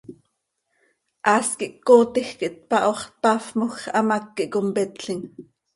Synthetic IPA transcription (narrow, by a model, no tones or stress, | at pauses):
ʔɑːskiʔkːoːt̪ixkiʔt̪̚pɑʔoχt̪̚pɑfmoxʔɑmɑkːiʔkompɛt̪ɬiŋ